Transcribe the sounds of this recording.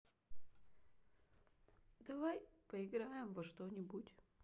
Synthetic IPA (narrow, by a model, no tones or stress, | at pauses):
d̪avajpɐɪɡɾajɛmvɐʂt̪onʲibutʲ